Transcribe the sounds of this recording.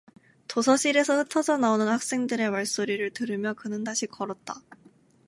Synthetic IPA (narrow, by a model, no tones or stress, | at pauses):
tosʰʌɕ͈ʰiɾe̞sʰʌhɯtʰʌd͡ʑʌnaonɯnhak̚s͈e̞ŋdɯɾe̞maɭs͈oɾiɾɯɭtɯɾɯmjʌkɯnɯndaɕʰikʌɾʌt̚t͈a